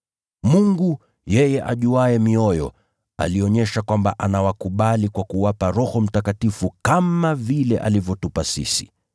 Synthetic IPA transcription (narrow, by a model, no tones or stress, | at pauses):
muŋɡu | jɛjɛʔa̰ʄuaɛmiɔjɔ̰ | a̰liɔɲɛʃakwambaʔanawakuɓalikwakuwapaɾɔhɔm̩takatifukamavilɛʔa̰livjɔtupasḭsi̥